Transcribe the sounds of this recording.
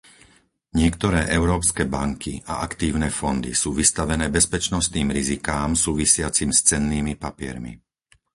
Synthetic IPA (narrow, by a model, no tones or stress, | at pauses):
ɲɪɛkt̪ɔɾɛːʔɛʊɾɔːpskɛːbaŋkʰiʔa̰ʔakt̪iːʊnɛːfɔnd̪ḭsuːʋist̪aʋɛnɛːbɛspɛt͡ʃnɔst̪niːmɾizikaːmsuːʋisɪat͡simst͡sɛnːiːmipapɪɛ̰ɾmḭ